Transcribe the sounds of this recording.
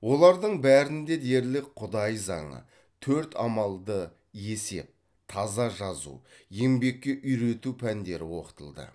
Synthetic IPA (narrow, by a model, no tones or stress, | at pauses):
wo̞lˠɑɾd̪əɴbæɾɪnd̪e̞d̪e̞ɾlɪk̚qʰʊd̪ɑjzɑ̰ɴə̰ | t̪ʰɵɾt̪ɑ̰mɑlˠd̪ə | je̞se̞̰p̚ | t̪ʰɑzɑʒɑzṵje̞mbe̞kʲːe̞ʔʏjɾe̞t̪upʰænd̪e̞ɾɪwo̞̰qə̥t̪əlˠd̪ə̰